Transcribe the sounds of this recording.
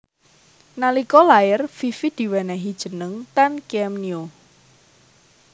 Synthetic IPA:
nalikɔlajərfifid̪̥i̤wɛnɛɦid̥ʒ̥ə̤nəŋt̪ankɛmnio

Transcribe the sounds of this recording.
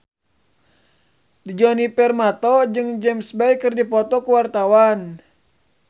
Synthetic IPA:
d̪id͡ʒɔnipɛrmat̪ɔd͡ʒɨŋd͡ʒɛmsbɛjkɨrdipɔt̪ɔkuwart̪awan

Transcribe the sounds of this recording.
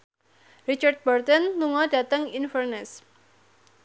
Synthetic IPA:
ɾit͡ʃart̪̚bɔrt̪ɔnluŋɔdat̪əŋinfərnɛs

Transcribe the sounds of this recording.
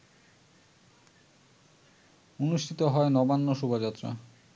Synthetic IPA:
onuʃʈʰit̪oɦɔenɔbanːoʃubod͡ʑat̪ːɾa̰

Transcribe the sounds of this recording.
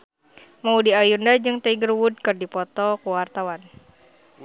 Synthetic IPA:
maudiajundad͡ʒɨŋt̪aiɡərwud̚kɨrdipɔt̪ɔkuwart̪awan

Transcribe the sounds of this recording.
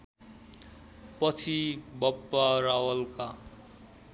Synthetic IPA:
pʌt͡sʰibʌpːaɾawʌlka

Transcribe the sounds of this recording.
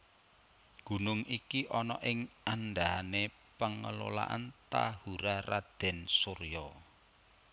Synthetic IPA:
ɡ̥ṳnʊŋikiʔɔnɔ̰ʔɪŋanɖaane | pəŋə̰lo̰la̰ʔa̰nt̪ahuɾarad̪̥ɛ̤nsorjɔ

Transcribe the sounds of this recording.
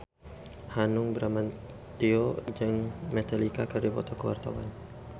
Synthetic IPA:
hanʊŋbəɾaman | t̪iod͡ʒɨŋmɛt̪alikakərdibɔ̰t̪ɔkəwa̰rt̪awa̰n

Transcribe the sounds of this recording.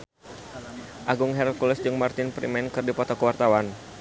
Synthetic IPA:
ʔaɡʊŋɦɛɾlkulɛsd͡ʒʊŋmart̪ɪnpɾḭmɛnkɨrdipɔt̪ɔkəwart̪awan

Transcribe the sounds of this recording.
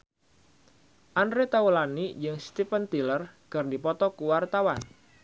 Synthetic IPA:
ʔandɾet̪aulanijəŋst̪ipənt̪ilərɡ̥ardipɔt̪ɔkuwart̪awan

